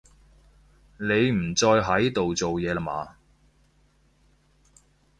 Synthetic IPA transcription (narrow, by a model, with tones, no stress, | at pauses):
ne˨˧jm̩˨˩t͡sɔː˧jɦɐ˨˥jt̪o˨wt͡so˨wjɛː˨˧la˧ma̰ː˨˧